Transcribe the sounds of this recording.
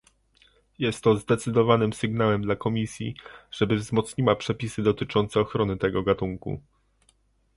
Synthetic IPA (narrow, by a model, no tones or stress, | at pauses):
jɛst̪ːɔzd̪ɛt̪sɘd̪ɔvanɘmsɘɡnawɛmd̪lakɔmʲisʲjḭʐ̥ɛbɘvzmɔt̪sɲiwapʂɛpʲisɘd̪ɔt̪ɘt͡ʂɔnt̪sɛɔxɾɔnɘt̪ɛɡɔɡat̪uŋkṵ